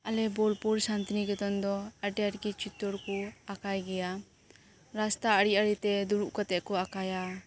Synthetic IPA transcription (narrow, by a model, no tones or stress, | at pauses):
alɛbɔlpuɾsant̪iniɡɛt̪ɔnd̪ɔaɖɛaɾkit͡ʃit̪ɔɾkuakajɡɛja | ɾast̪aːɽiaɽit̪ɛd̪uɾuʔkat̪ɛʔkɔakaja